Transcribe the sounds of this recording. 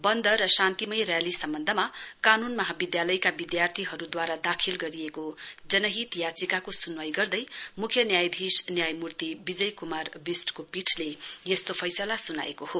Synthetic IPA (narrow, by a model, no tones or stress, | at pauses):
bʌnd̪ʌrʌsãnt̪imʌjrjalisʌmbʌnd̪ʱʌmakanunmʌɦabid̪jalʌjkabid̪jart̪ʰiɦʌɾud̪waɾad̪akʰilɡʌɾiekod͡zʌnʌɦit̪jat͡sikakosunwajɡʌrd̪ʌjmukʰjʌnjajd̪ʱisnjajmurt̪ibid͡zʌjkumarbisʈkopiʈʰlejest̪opʰʌjsʌlasuna̰ḛkoho